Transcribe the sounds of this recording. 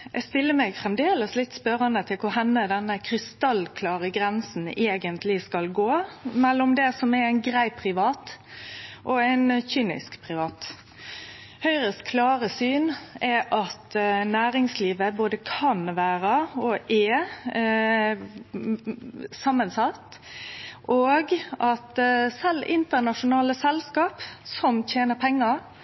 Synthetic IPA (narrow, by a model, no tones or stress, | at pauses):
ʔɛ̰st̪ɪlːəmɛɡfɾʁɛmd̪eːləslɪt̪ːspœɾənət̪ʰɪlkʰʊɾhɛnːəd̪ɛnːəkʰɾɪst̪ɑlːkʰlɑːɾəɡɾɛnsn̩eːɡənt̪ʰlɪskɑlɡoːmɛlːɔmd̪ɛsɔmɛæɪnɡɾæɪpʰːɾɪʋɑːt̪ | ʔɔæɪnçyːnɪ̰skpʰɾɪʋɑːt̪ | hœʏɾəskʰlɑːɾəsyːnɛʔɑt̪næːɾɪŋsliːʋəboːd̪əkʰɑnʋæːɾəɔʔɛ | sɑmːənsɑt̪ː | ʔoːɡɑt̪sɛlːɪnt̪əʁnɑʂʊnɑːləsɛlskɑːpsɔmt̪ʰeːnəʁpʰɛŋːɑ